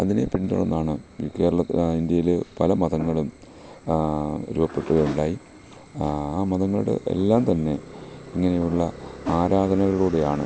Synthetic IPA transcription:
ɐðinḛpind̪o̰ɭo̰nːaːɳɨke̞ːɾɐɭɐind̪jɐjilpɐlɐmɐðɐŋːɐɭum | ɾuːbɐpːe̞ʈːuʋɐuɳɖaːji | aːmɐðɐŋːɐɭɽɨ̰ʔe̞̰lːaːmt̪ɐnːe̞iŋːɐne̞juɭːɐaːɾaːðɐnɐɣɐɭuːɽe̞jaːɳɨ

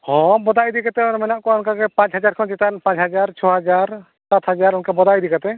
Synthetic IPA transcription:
hɔ̃bɔd̪ajd̪ikat̪ɛɔnmɛnaʔkɔɔnkakɛpãt͡ʃɦad͡ʒaɾkʰɔnt͡ʃɛt̪anpãt͡ʃɦad͡ʒaɾt͡ʃʰɔɦad͡ʒaɾ | sat̪ʰɦad͡ʒaɾɔnkabɔd̪ajd̪ikat̪ɛ

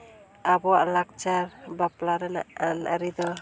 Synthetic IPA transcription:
abɔwaʔlak̚t͡ʃaɾbaplaɾɛna̰ʔana̰ɾid̪ɔ

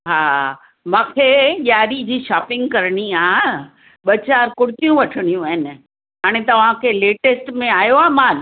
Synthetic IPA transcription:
ɦaː | mãːkʰeɠjaːɾid͡ʑiːʃaːpɪ̃ŋɡ̚kɐɾɽ̃iaː | ɓɐt͡ɕaːɾkʊɽ̤ɪt̪ijũʋɐʈʰəɽ̃ijũaːɦɪn | ɦaːɽ̃et̪ɐʋ̤ãkʰeːleːʈesʈmẽaːjoaːmaːl

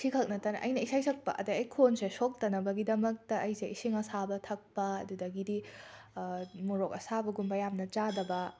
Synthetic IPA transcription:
sʰikʰɐk̚nɐtanɐ̰ʔɐjnɐisajsʰɐk̚pɐ̰ʔɐ̰dɐɐjkʰonsesok̚tɐnɐbɐɡidɐmɐk̚tɐʔːjseisiŋɐsabɐtʰɐk̚pɐɐdudɐɡidi | muɾokɐsabɐɡumbɐjamnɐt͡ʃadɐbɐ

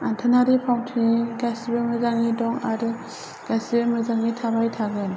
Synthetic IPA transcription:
antʰɯnaɾipʰawtʰiiɡasibɯmɯzaŋidɔŋaɾɯ | ɡ̥asibɯmɯzaŋːitʰabajtʰaɡɯn

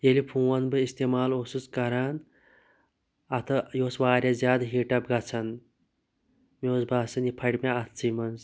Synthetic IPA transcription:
jelipʰũːwɐnbɨist̪eːmaːlosut͡skɐɾaːn | ɐt̪ʰɨjoːsʋaːɾʲjazʲaːd̪ɦiːʈɐpɡɐt͡sʰɐn | mʲoːsbaːsɐnjipʰɐɽʲmʲaɐt̪ʰt͡simɐnz

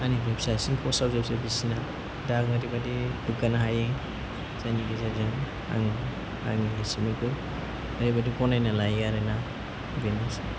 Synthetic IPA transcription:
anibepsasiŋpʰɔsawzep̚sabisina | dakaɾibadibɯɡanaɦaje | zajniɡizazaŋ | a̰ŋ | a̰ŋiɦisimikɯ | aɾibadikɔnajnalajɡaɾena | benasi

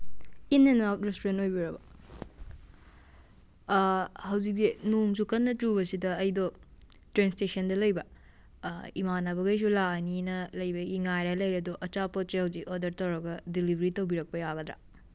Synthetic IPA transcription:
inːɐnawtɾestuɾentojbiɾɐbɐ | hɐwzik̚denuŋsukɐnːɐtubɐsidɐːjdɔ | tɾenstesɐndɐlɐjbɐ | imanabɐɡɐjs̬ulaɐninɐlɐjbɐɡiŋajɾɐlɐjɾɐduʔɐt͡ʃapot̚sehɐwzikodɐɾtɐwɾɐɡɐdilibʱɐɾitowbiɾɐk̚pɐjaɡɐd̪ɾa̰

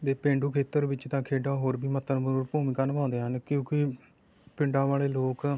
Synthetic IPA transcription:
d̪eːpẽːɳɖuːkʰeːt̪ːəɾbɪt͡ʃt̪ãːkʰeːɖaːɦoːɾbiːmət̪ːənbuːpuːmiːkaːnpãːnd̪eːɦənkɪjõːki | pɪɳɖãːʋaːleːloːk

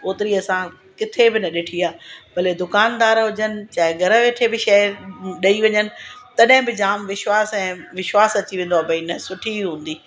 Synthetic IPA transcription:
oːt̪ɪɾiɐsã | kɪt̪ʰebɪnɐɗɪʈʰiaːpɐled̪ʊkaːnd̪aːɾɦʊd͡ʑənɪ̆t͡ɕaːɦɪɡʱɐɾə̃ʋeːʈʰebɪʃɐɾɗɐiʋɐɲənɪ̆t̪ɐɗɦɪ̃bɪd͡ʑaːmʋɪʃwaːsɛ̃ːʋɪʃwaːsɐt͡ɕiʋẽːn̆d̪oaːpɐinəsʊʈʰiɦũːnd̪iː

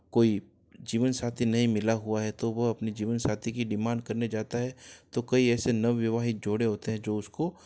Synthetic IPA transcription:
koːi | d͡ʒiːʋənsaːt̪ʰinɐɦĩmɪlaɦuaɦɛt̪oʋɐɐpnid͡ʒiːʋənsaːt̪ʰikiɖɪmãːnɖ̚kɐɾned͡ʒaːt̪aɦɛt̪okɐiɛːsenɐʋːɪʋaːɦɪt̪̚d͡ʒoːɽeɦoːt̪eɦɛ̃d͡ʒoːʊsko

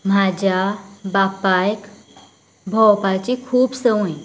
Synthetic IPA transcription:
m̤ad͡ʑjabapajk | bʱɔwpat͡ɕikʰuːpsəwj

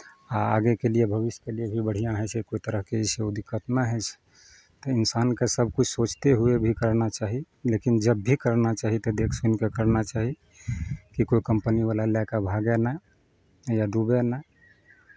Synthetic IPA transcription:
aaɡekelijebʱəβisjkelijebʱibəɽ̤ijãɦɛt͡ʃʰekoit̪əɾəɦkeiseod̪ikːət̪naɦɛt͡ʃʰ | t̪əinsankesəbʱkut͡ʃʰsot͡ʃt̪eɦuebʱikəɾnat͡ʃaɦi | lekind͡ʒəbːʱikəɾnat͡ʃaɦit̪ɔd̪ekʰsunkekəɾnat͡ʃaɦi | kikoikəmpəniβalalakabʱaɡena | jaɖubenae

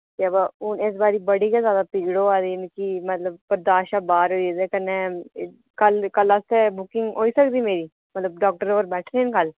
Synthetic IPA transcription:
t̪eɐbaʊnɪs̬baːɾiːbəɽikazjaːd̪apiːɡɽoːaːd̪eɪnkimət̪ləb̚pəɾd̪aːʃaːbaːɾɦoːid̪ekənːe | kəlkəlast̪ebʊkɪ̃ŋɡɦoːiːsəkd̪iːmeːɾiː | mət̪ləb̚ɖɔːk̚ʈəɾoːɾbɛːʈʰɾenkəl

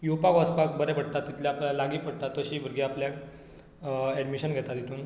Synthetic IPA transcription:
jupakɔspak̚bəɾɛpəɽt̪at̪ːit̪ljaaplaalaɡiːpəɽt̪at̪ːəɕiːbʱəɾɡiapljak | ɛɖmiɕənɡʱɛt̪at̪jet̪uːn

